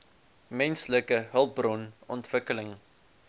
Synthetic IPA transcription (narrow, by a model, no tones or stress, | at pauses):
mɛnsləkəɦəlˠp̚brɔnɔ̰ntvəkələŋ